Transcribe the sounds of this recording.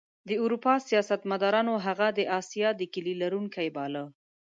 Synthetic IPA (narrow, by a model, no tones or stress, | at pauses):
d̪əuɾupɑsijɑsat̪mad̪ɑɾɑnoɦaɣad̪əʔɑsijɑd̪əkəlilaɾuŋkajbɑlə